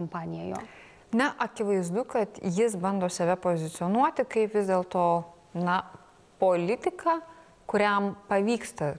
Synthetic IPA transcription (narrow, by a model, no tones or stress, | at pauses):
kompɑːnʲɪjɛjo̰ː | nʲɛʔɐkʲɪʋɐɪzd̪ʊkɐt̪jɪsbɐnd̪oːsɐʋʲɛpoːzʲɪt̪sʲɪoːnuɔt̪ʲɪkɐɪpʋʲɪzʲd̪ʲeːlˠt̪oː | nɐ | poːlʲɪt̪ʲɪkɑː | kʊɾʲɛmpɐʋʲiːkst̪ɐ